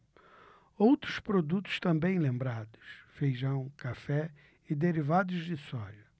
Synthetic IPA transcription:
owt̪ɾʊspɾod̪ut̪ʊ̥st̪ɐ̃mbẽj̃lẽmbɾad̪ʊsfejʒɐ̃w̃kafɛ | ɪd̪eɾivad̪ʊzd̪ɪsɔʒɐ

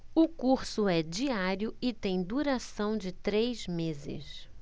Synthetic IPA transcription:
ʊkuɾsʊɛd͡ʒiaɾjʊɪt̪ẽj̃d̪uɾasɐ̃w̃d͡ʒɪt̪ɾejzmezɪ̰s

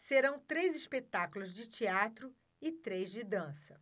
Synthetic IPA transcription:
seɾɐ̃w̃t̪ɾejzispet̪akʊlʊzd͡ʒɪt͡ʃiat̪ɾʊ | ɪt̪ɾejzd͡ʒɪd̪ɐ̃sɐ

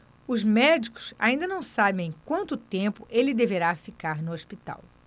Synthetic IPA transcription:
ʊzmɛd͡ʒikʊ̥sa̰ĩd̪ɐnɐ̃w̃sabẽj̃ẽj̃kwɐ̃nt̪ʊt̪ẽmpʊʔelɪd̪eveɾafikaɾnʊoʃpit̪a̰w

